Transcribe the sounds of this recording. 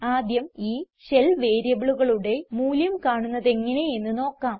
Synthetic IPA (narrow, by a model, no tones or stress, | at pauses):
aːd̪jɐmiːɕe̞lʋe̞ːɾjɐbiɭuɣɐɭuɽe̞muːljɐmkaːɳunːɐðe̞ŋːɐne̞enːɨno̞ːkːaːm